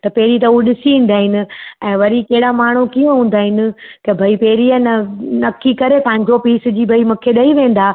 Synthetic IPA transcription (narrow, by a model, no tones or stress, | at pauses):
t̪ɐpɛːɾit̪ɐuɗɪsiĩːn̆d̪aːɦɪnɪ̆ɛ̃ːʋɐɾikɐɦɪɽamaːɳ̤ukijõɦũːnd̪aːɦɪnɪ̆kɐbʱɐipeːɾianɐnɐkːikɐɾepɐ̃ɦɪ̃ɲd͡ʑopiːsd͡ʑiːbʱɐimʊ̃kʰeɗɐiʋẽːn̆d̪aː